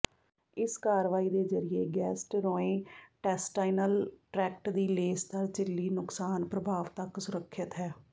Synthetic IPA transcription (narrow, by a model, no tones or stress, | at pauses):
ɪskaːɾʋaːiːd̪eːzəɾɪjeːɡɛːsʈɾoːẽːʈɛːsʈaːɪnəlʈɾɛːk̚ʈd̪iːleːst̪əɾt͡ʃɪlːiːnʊksaːnpɾəbʱaːʋt̪əksʊɾəkʰːət̪ɦɛː